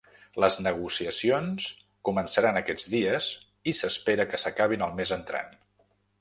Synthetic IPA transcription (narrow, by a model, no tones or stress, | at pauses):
ləznəɣ̞usiəsions | kumənsəɾanəkɛd͡zðiəz | isəspeɾəkəsəkaβ̞inəlˠmezənt̪ɾa̰n